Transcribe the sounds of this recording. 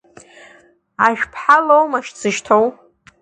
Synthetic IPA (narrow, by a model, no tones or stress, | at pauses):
aʒᶣpʰħalowmaʃt͡sʰɨʃtʰow